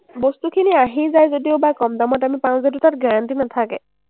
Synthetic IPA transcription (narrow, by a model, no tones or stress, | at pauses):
bostukʰiniaɦizajzodiobakɔmdamɔtamipãzɛdutat̚ɡaɹantinatʰakɛ